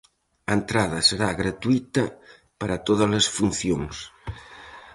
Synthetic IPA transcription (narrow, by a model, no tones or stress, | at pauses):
ɐent̪ɾað̞ɐseɾaɣɾat̪uit̪ɐ | paɾat̪oðazlesfun̟θjoŋs